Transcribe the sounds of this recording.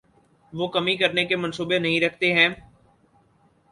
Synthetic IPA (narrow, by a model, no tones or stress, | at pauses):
ʋoːkɐmĩkɐɾnekemə̃nsuːbenɐɦĩɾɐkʰt̪eɦɛ̃ː